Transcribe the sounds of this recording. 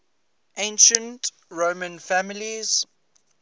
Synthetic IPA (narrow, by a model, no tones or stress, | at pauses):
ʔẽɪ̃nʃə̃nt | ɹoːmə̃nfæmɪliz̥